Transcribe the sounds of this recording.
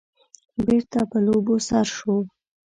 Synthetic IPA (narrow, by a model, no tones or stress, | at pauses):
beɾt̪apəlobosaɾʃo